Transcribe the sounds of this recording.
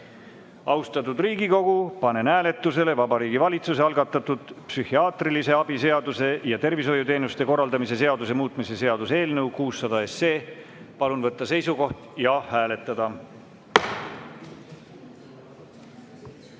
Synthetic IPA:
ɑust̪ɑt̪ud̪riːɡiko̞ɡ̥upɑne̞næːle̞t̪ːˑuse̞le̞vɑbɑɾiːɡivɑlʲit̪suse̞ɑlɡɑt̪ːˑɑt̪ud̪̥psyhiɑːt̪rilise̞ɑbise̞ɑd̪use̞jɑt̪e̞rviso̞jːut̪e̞ːnust̪e̞ko̞rːɑld̪ɑmise̞se̞ɑd̪us̬e̞muːt̪misese̞ɑd̪use̞ːlnɤwkuːsːɑd̪̥ɑe̞sːe̞ːpɑlunvɤt̪ˑːɑse̞jsuko̞ht̪jɑhæːle̞t̪ːˑɑd̪ɑ

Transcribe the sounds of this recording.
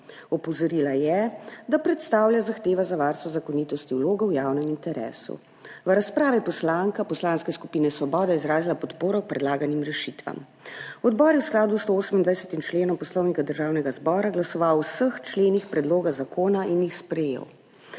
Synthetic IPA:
ɔpɔzɔɾiːlajɛd̪apɾɛt̪st̪aːwljazaxt̪eːʋazaʋaɾst̪ʋɔzakɔniːt̪ɔst̪iwloːɡɔwjawnɛmint̪ɛɾɛ̰ːsṵ | ʋəɾaspɾaːʋipɔslaŋkapɔslanskɛsku̥piːnɛsʋɔbɔːd̪ɛizɾaːzilapɔt̪poːɾɔk̚pɾɛd̪laːɡanimɾɛʃit̪ʋa̰m | ɔd̪bɔːɾjɛwsklaːd̪ust̪ooːsəmind̪ʋajsɛt̪int͡ʃleːnɔmpɔslɔwnikad̪əɾʒawnɛɡazbɔːɾaɡlasɔʋawsəxt͡ʃleːnixpɾɛd̪loːɡazakoːnaʔinjixspɾɛjḛw

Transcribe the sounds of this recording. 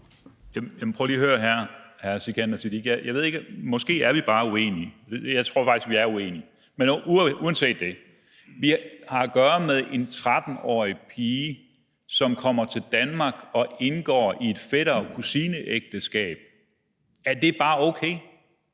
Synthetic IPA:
jæjæmpʰʁœːliːɐɦøːɐɦæɐ̰hæɐsikʰænɐsid̥iɡ̥jajʔäʋe̝ð̞ˠeɡmɒ̽sɡ̥e̝̰ːæɐʋib̥ɑ̈ːue̝̰ːniəd̥ejäɪt͡sʰʁo̝ɐfɑ̈ɡ̥isɡ̥ʋiæɐue̝̰ːni | menuɐnse̝̰ːd̥ːe̝ | ʋihɑ̈æɡ̥ɶːɐmeðˠe̝nt͡sʰʁad̥n̩ɒ̰ːipʰiːə | sɒ̽mkʰɒ̽m̰ɐt͡sʰe̝ld̥ænmɑ̈ɡ̥ɒ̽ʔe̝nɡ̥ɒ̰ːʔie̝d̥feɾ̥ɐkʰusinəʔeɡ̥̚d̥əsɡ̥ɛ̰ːb̥̚ | æd̥e̝b̥ɑ̈ːoʊkʰeː

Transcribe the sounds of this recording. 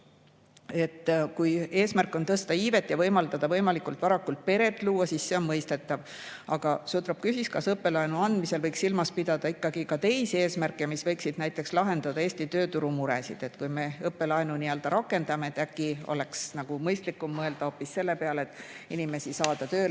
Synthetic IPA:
e̞t̪ːkuje̞ːsmærkːˑo̞nt̪ɤst̪ɑiːve̞t̪ːˑjɑvɤjmɑld̪̥ɑd̪̥ɑvɤjmɑlikult̪vɑɾɑkult̪̚pe̞ɾe̞t̪ːˑluːwɑsisse̞o̞nmɤjst̪e̞t̪ːˑɑv | ɑɡ̥ɑsut̪ɾɑp̚kysiskɑsɤpːe̞lɑjnuɑnd̪̥mise̞lvɤjksilmɑspid̪̥ɑd̪̥ɑikːɑɡ̥ikɑt̪e̞jsie̞ːsmærkːˑemisvɤ̞jksid̪̥næjt̪ːˑe̞kslɑɦe̞nd̪̥ɑd̪ɑeːsʲt̪it̪ø̞ːt̪uɾumuɾḛsḭd̪̥e̞t̪kujme̞ɤpːe̞lɑenuniøld̪̥ɑɾʔɑkːˑe̞nd̪̥ɑmeet̪ːækːˑio̞̰le̞ksnɑɡ̥umɤjst̪likːˑumːɤeld̪̥ɑoːpːisːe̞lːe̞peɑlet̪ːˑ | inime̞sisɑːd̪̥ɑt̪øː

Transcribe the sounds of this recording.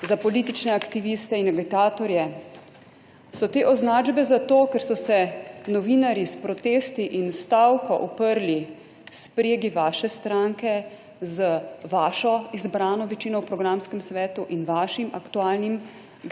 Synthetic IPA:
zapɔliːt̪it͡ʃnɛakt̪iʋist̪ɛinɛɡɛt̪aːt̪ɔɾjɛ | sɔt̪eːʔɔznaːd͡ʒbɛzat̪oːkɛɾsɔsɛnɔʋiːnaɾjispɾɔt̪eːst̪iʔinst̪awkɔʔɔpəɾli | spɾeːɡiʋaːʃɛst̪ɾaŋkɛ | zəʋaːʃɔizbɾaːnɔʋɛt͡ʃiːnɔwpɾɔɡɾamskɛmsʋɛːt̪uʔinʋaːʃimakt̪uaːlnim | ɡ

